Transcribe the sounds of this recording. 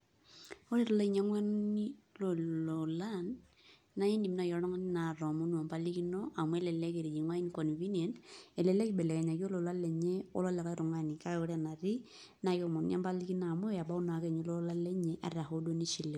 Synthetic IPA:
o˦ɾe˦ɾɔ˦lɔ˦i˨ɲa˦ŋwa˦nni˦lo˨lo˨la˦nː | a˦ji˦ndi˨mna˨jɔ˨ɾɔ˦ŋa˦ni˦na˨ɾɔ˨mo˦nu˦a˨mpa˦li˦ki˦nɔ˦ʔa˨mu˦ɛ˦lɛ˨lɛ˦ke˨ɾi˨d͡ʒi˨ŋwa˦i˦n˦kɔ˨n˨βi˦n˦e˨nɛ˨lɛ˨lɛ˦ki˨bɛ˨lɛ˨kɛ˨ɲa˨ki˦o˦lo˨la˦lɛ˨ɲe˦o̰˦lɔ˦lɛ˨kɔ˦ɾʊ˨ŋa˦ni˨ka˦o˦ɾe˦a˨na˨ɾi˦ | na˨kmɔ˨nɲ˦a̰˦mpa˦li˦ki˦naː˨mo˦a˨ba˦u˦na˨˦kɛ˨ɲo˦lo˦la˦lɛ˦ɲɛ˦ʔa̰˨ɾa˨ho˦do˦ni˦ʃi˨le˨

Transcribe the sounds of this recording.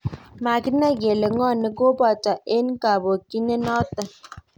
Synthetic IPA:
ma˨ɡi˦na˦ɡe˨le˨ŋɔ˦˨ni˦ɡo˦bɔ˨tɔ˨ʔe˦n˦ka˨bo˨ki˦ne˦nɔ˦tə˦

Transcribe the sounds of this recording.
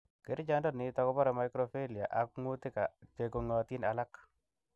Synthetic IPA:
ke˨˦ɾɪ˦d͡ʒa˦ndɔ˦nɪ˨tɔ˨kɔ˦bɔ˦ɾɛ˨ma˨ɪkɾo˨fe˦li˨a̰˨ʔa˨kŋu˦t̪ɪ˦ka˨te˨ko˨ŋɔ˨t̪ɪ˦na˨la˦k

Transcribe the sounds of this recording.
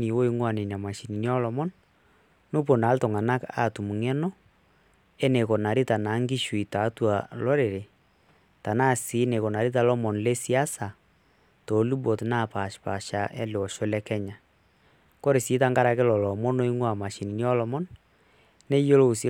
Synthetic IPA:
i˨wo˦i˦ŋwa˨ne˨n˨a˨ma˨ʃi˨ni˨ni˦ɔ˦lɔ˨mɔ˦n | no˦po˨na˨˦ltɔ˨ŋa˨na˦ka̰˨tu˨mu˨ŋɛ˦nɔ˦ | ɛ˦ne˨ko˨na˨ɾi˦ta˨na˨˦ŋɡi˦ʃwi˨ta˨˦twa˨lɔ˦ɾe˨ɾe˨ | ta˨na˦˨si˨˦ne˨ko˨na˨ɾi˦t̬a˦lɔ˦mɔ˨nle˦si˦a˦sa˨ | to˨˦lu˦bo˨tna˦˨pa˨ʃpa˨ʃa˨ʔɛ̰˦lɪ˨ɔ˨ʃo˦lɛ˦kɛ˦ɲa˨ | ko˦ɾe˨si˨˦ta˦ŋɡa˦ɾa˨ke˦lɔ˨lɔ˨mɔ˦no˦i˦ŋwa˨ma˨ʃi˨ni˨ni˦ɔ˦lɔ˨mɔ˦n | ne˦jo˦lo˦u˨si˦

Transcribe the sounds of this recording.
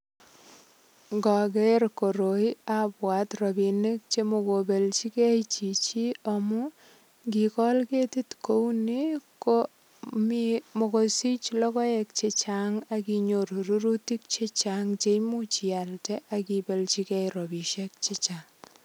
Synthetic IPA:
ŋɡɔ˨ɡe˦rko˨ɾo˨i˦apwa˨trɔ˨bi˨ne˦k̚t͡ʃe˦mo˨ko˨be˨lt͡ʃi˦kɛ˦t͡ʃi˨t͡ʃi˦a˨mʊ˦ | ɡi˨kɔ˦lke˦ti˦tko˦wniko | mimo˨ko˨si˦t͡ʃlɔ˦kɔ˦ɛ˨k̚t͡ʃe˦t͡ʃaŋa˦ki˨ɲo˨ɾu˨ɾu˦ɾu˦ti˦k̚t͡ʃe˦t͡ʃaŋt͡ʃe˦jmu˦t͡ʃia˨ltɛ˦ʔakibe˨lt͡ʃi˦kɛjɾo˨bi˨ʃɛ˦k̚t͡ʃe˦t͡ʃaŋ

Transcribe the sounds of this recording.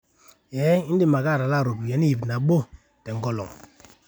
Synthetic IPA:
jɛ˦i˦n˦di˦˨ma˨ɡa˦˨ɾa˨la˦˨ɾo˨bi˨jɛ˨˦ni˦ji˨bna˨ɓo˦ | tɛ˨ŋ̩˦ɡɔ˦˨lɔ̰˨ŋ

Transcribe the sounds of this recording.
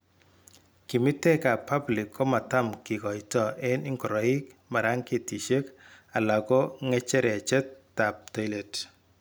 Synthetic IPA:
ki˨mɪ˦te˦ka˨pa˦blɪ˨kʰːɔ˦ma˨ta˦mki˨kɔ˨i˨tɔ˨ʔe˦nɪ˦ŋɡɔ˨ɾɔ˨ɪ˦kma˨ɾa˦ŋke˨ti˨ʃe˦ka˨la˨ɡɔ˦ŋɛ˦t͡ʃɛ˦ɾɛ˨a˨t͡ʃɛ˦tːa˨p̚ta˦le˨t

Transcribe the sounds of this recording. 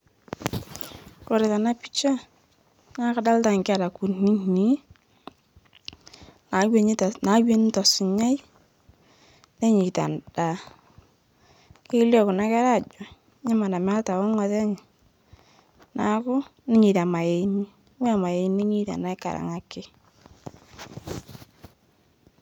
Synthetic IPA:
ko˨ɾe˨ða˨na˦pi˦t͡ʃa˦ | na˨˦ka˦da˦lta˨ŋka˨ɾa˨ku˨ni˦ni˦ | na˨we˦ɲ˦tna˨˦we˦n˦tɔ˨sɪ˨ɲa˦i˦ | ne˦ɲi˨ta̰˨nd̥a˨ | ke˦ljɔ˦kʊ˨na˦kɛ˦ɾa˦˨d͡ʒɔ˨ | ɲa˦ma˨na˨m˦a˦lta˨wɔ˦ŋɔ˨ðɛ˦ŋ˨ | na˦kʊ˦ne˦ɲi˨ta˨ma˨je˨˦ni˦ | we˦a˨ma˨je˨˦ne˦ɲi˦ta̰˨na˦jka̰˨ɾa̰˨ŋa˨˦kɪ˦

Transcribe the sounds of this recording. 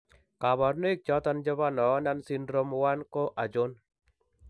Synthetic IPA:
ka˨ba˨rno˦i˦k̚t͡ʃɔ˦t̪a˦nd͡ʒɔ˦ba˦nɔ˨˦na˦nsi˦ndɾo˦mwa˦nkɔ˦ʔa˨d͡ʒo˦n

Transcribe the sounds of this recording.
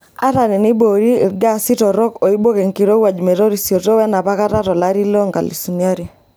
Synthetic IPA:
a̰˦ɾa˨ne˨nɪ˦bo˨ɾi˦˨ɡa˦si˦tɔ˨ɾɔ˦kɔ˨i˦bo˦ke˨ŋki˨ɾo˦wa˨d͡ʒmɛ˨ɾo˦ɾi˨sjo˨to˦wɛ˦na˨pa˦ka˦ta˦tɔ˨laɾi˦lɔ˦ŋɡa̰˨lḭ˨su˨nia˦ɾi˨

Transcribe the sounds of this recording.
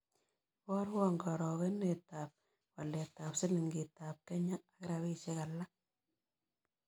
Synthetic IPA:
wɔ˦ɾwɔ˦ŋɡɔ˨ɾɔ˨ke˦ne˨ta˨p̚ | wa˨le˨ta˨psɪ˦li˨ŋɡi˨ta˨p̚kɛ˦ɲaː˦˨kɪ˦ɾa˨wi˦t͡ʃe˦ka˨la˦

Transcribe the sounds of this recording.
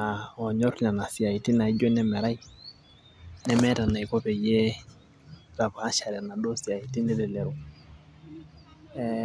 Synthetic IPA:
a˨ɔ˨ɲɔ˦ɾɲa˨na˨si˨a˨i˨ti˦na˨i˦d͡ʒɔ˦nɛ˦mɛ˨ɾa˦i˦ | nɛ˦mɛ˦ta˨na˨i˨kɔ˦pɛ˨jɛ˦ | ɾa˨pa˨a˦ʃa˨ɾɛ˨na˨do˦si˨a˨i˨ti˦nɛ˦lɛ˨lɛ˨ɾu˨ | ɛ

